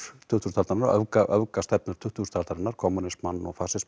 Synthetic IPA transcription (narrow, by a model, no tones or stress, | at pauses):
t̪ʰʏht̪uɾnt̪ʰalt̪aɾɪnaɾœvkaʔœvkast̪ɛp̚nʏɾt̪ʰʏht̪uɾ̥t̪ʰalt̪aɾɪnːaɾ̥kʰɔmunɪsmanːɔ̰ɣfaːsɪs